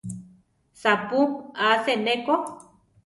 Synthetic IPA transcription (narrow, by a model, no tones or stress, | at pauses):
sapuaseneko